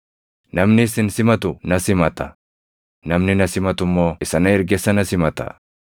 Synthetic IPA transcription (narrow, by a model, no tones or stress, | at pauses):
nɐmnɪsɪnsɪmɐt̪ʊnɐsɪmɐt̪ɐ | nɐmnɪnɐsɪmɐt̪ʊmːoːɪsɐnɐɛɾɡɛsɐnɐsɪmɐt̪ɐ̰